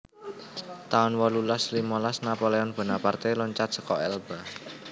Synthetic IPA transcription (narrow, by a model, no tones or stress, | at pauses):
t̪aʊnwɔlulaslimɔlasnapɔleɔnb̥ə̤napart̪elɔɲt͡ʃat̪̚sə̥kɔɛlb̥a